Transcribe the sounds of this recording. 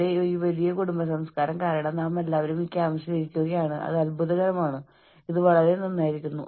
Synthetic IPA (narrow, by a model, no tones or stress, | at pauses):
eiːʋɐlijɐkuɽumbɐsɐmskaːɾɐmkaːɾɐɳɐmname̞lːaːʋɐɾumikʲːaːʋɐɕjɐliɾikʲːuɣɐjaːɳɨʔɐ̰ðɐlbuðɐɣɐɾɐmaːɳɨ | iðɨʋɐɭɐɾenːonːaːjiɾikʲːunːṵ